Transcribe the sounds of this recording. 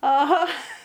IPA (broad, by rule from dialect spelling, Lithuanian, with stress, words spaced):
ɐˈɣɐ